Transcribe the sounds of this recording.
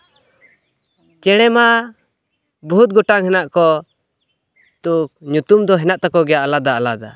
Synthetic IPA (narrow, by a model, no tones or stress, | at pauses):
t͡ʃɛɽ̃ɛma | but̪̚ɡɔʈaŋhɛnaʔkɔ | t̪uk̚ɲut̪umd̪ɔɦɛnaʔt̪akɔɡɛjaʔalad̪aalad̪a